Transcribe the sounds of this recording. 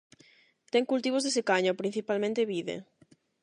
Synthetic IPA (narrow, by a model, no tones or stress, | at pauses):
t̪ɛŋkult̪iβ̞ozðesekaɲopɾin̟θipalmẽnt̪eβiðḛ